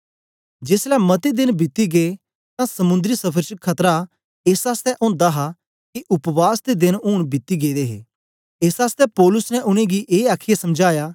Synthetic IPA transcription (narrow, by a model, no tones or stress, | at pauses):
d͡ʒeːslɛmɐt̪ed̪ɪnbɪt̪ːiɡeː | t̪ãsɐmʊ̃nd̪ɾisɐpʰəɾt͡ʃəkʰɐt̪ɾa | eːsaːst̪ɛʔõːnd̪aɦa | kiʔʊpʋaːsd̪ed̪ɪnɦʊːɽ̃bɪt̪ːiɡeːd̪eːɦḛː | eːsaːst̪ɛpɔːlʊsnɛʔʊñẽɡiʔeːaːkʰijasɐmd͡ʒaːjaː